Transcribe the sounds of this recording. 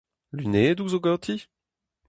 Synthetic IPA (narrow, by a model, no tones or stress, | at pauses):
lyneːd̪uzoɡɑt̪ʰi